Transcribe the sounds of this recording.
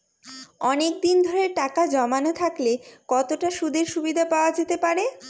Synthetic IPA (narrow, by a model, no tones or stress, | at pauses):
ɔnek̚d̪ind̪ʱoɾeɾʈakad͡ʑɔmanot̪ʰaklekɔt̪oʈaʃud̪ʱeɾʃubid̪ʱapaoad͡ʑet̪epaɾe